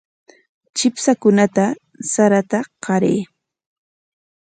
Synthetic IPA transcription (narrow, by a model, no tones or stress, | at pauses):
t͡ʃɪpsakʊnat̪a | saɾat̪aqɑɾeː